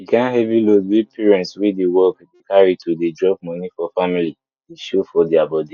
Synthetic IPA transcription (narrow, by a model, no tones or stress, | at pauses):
ikãnɦɛvilodwipʰiɹɛ̃ntswidewɔkdekaɹitʰudedɹɔb̚mɔ̃nifɔfamili | tdeʃofɔdiabɔdi